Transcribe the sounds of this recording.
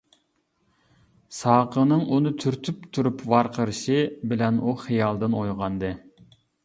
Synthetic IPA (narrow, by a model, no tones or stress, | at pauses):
sɑːqʰənɨŋunɨt̪ʰyɾt̪ʰypt̪ʰuɾupvɑɾqʰəɾɨʃibɪlɛnuχijɑlˠd̪ɨnojʁɑnd̪ɨ